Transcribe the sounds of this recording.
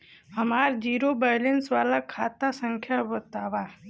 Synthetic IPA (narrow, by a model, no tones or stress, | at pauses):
hɐmaːɾd͡ʒiːɾobajlensʋaːlakʰaːt̪asə̃ŋkʰjabɐt̪aːʋaː